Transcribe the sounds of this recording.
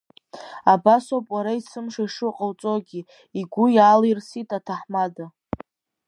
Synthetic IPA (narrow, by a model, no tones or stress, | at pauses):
abasopʼwaɾaisɨmʂaiʂɨqʼəlt͡sʼoɡʲi | iɡʷʊjaːlejrsitʼatʰaħmada